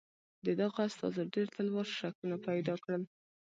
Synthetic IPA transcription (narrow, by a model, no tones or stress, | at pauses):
d̪əd̪aɣaast̪ɑ̰zəɖeɾt̪alwɑɾʃakunapajd̪ɑkɽəl